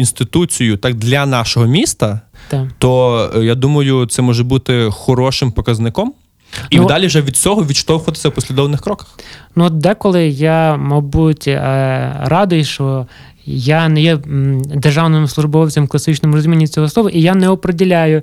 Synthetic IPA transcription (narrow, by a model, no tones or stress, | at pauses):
inst̪ɪt̪ut͡sʲijʊt̪ɑk̚d̪lʲɐnɑʃɔɦɔmʲist̪ɐt̪t̪ɔjad̪umɐjʊt̪sɛmɔʒɛbut̪ɪxɔɾɔʃɪmpɔkɐznɪkɔm | nid̪ɑlʲiʒɛʋʲid̪̚t͡sʲɔɦɔʋʲiʃt̪ɔwxt̪ɪ̥sʲɐwpɔsʲlʲɪd̪ɔʋnɪxkɾɔkɐ̥xnuɔt̪̚d̪ɛkɔlˠɪjamɐbutʲ | rɑd̪ʊjʃt͡ʃɔ | janɛjɛd̪erʒɑwnɪmsˠʊʒbɔwt͡sʲɐmklˠɐsɪt͡ʃnɪmʊɾɔzʲumʲinʲːit͡sʲɔɦɔsˠɔʋɐʔijanɛɔpɾedʲilʲajʊ